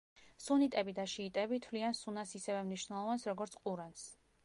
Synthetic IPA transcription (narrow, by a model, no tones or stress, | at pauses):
sunit̪ʼɛbid̪aʃiːt̪ʼɛbit̪ʰvliansunasisɛvɛmniʃnɛlˠɔvansɾɔɡɔɾt̪sʰqʼuɾans